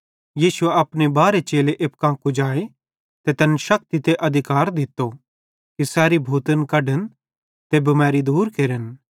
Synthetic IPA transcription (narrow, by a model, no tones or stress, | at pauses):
jiːsʊeɐpnebaːɾet͡ʃeːleʔep̚kãːkud͡ʒaːe | t̪et̪ɛːnʃɐk̚t̪it̪eʔɐd̪ʱɪkaːɾd̪ɪt̪ːo | kisɛːɾibʱuːt̪ənkɐɖən | t̪ebɐmɛːɾid̪uːɾkeːɾən